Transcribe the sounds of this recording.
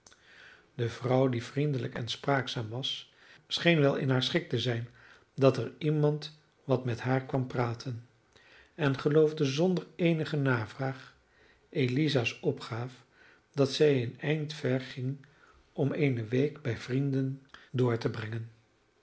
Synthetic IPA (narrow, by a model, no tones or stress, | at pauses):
d̥əvrʌwdivrindələkɛ̰nspraːksaːmʋɑs | sχejnʋɛlˠɪ̰nɦaːɹsχɪk̚təzɛjn | dɑtəɹimɑnt | ʋɑtmɛtɦaːɹkʋɑmpraːtʰən | ɛnχəlowvdəzɔndəɹejnəχənaːvraːχ | ʔelizasɔpχaːf | dɑtsɛjənɛjntfɛɹχɪŋ | ɔmejnəʋejkbɛjv̥rindəndʊːɹtəbrɛŋən